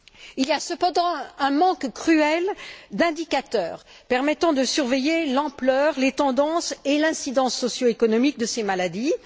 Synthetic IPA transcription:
iliasəpɑ̃d̪ɑ̃ɛ̃mɑ̃kkχyɛld̪ɛ̃d̪ikat̪œːʁ | pɛʁmɛt̪ɑ̃d̪əsyʁvejelɑ̃plœʁlet̪ɑ̃d̪ɑ̃selɛ̃sid̪ɑ̃sːɔsjoekɔnɔmik̚d̪əsemalad̪i

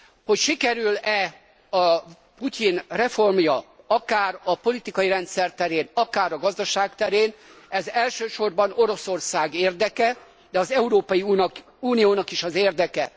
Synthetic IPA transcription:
ho̞cʃikɛɾylɛ | ɒ | puc̪inrɛfo̞rmjɒ | ɒkaːɾɒpo̞lit̪ikɒjiɾɛnt̪sɛrt̪ɛɾeːnɒkaːɾɒɡɒzd̪ɒʃaːkt̪ɛɾeːnɛzɛlʃøːʃo̞rbɒno̞ɾo̞so̞rsaːɡeːrd̪ɛkɛ | d̪ɛɒzɛuɾoːpɒjinɒ | uːnijoːnɒkiʃɒzeːrd̪ɛkɛ

